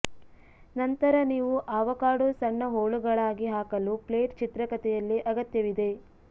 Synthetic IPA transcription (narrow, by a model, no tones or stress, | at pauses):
nɐnt̪ɐɾɐniːʋuʔaːʋɐkaːɽusɐɳːɐɦoːɭuɡɐɭaːɡiɦaːkɐlupleːʈt͡ʃit̪ɾɐkɐt̪ɛjɐlːiʔɐɡɐt̪jɐʋid̪e̞